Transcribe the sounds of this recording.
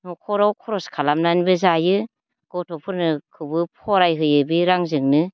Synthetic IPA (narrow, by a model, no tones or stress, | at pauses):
nukʰɔɾawkʰɔɾɔskʰalamnanbɯzajɯ | ɡ̥ɔtʰɔpʰɯɾnɯkʰɯbɯpʰɔɾajɦɯjɯbiɾaŋzɯŋnɯ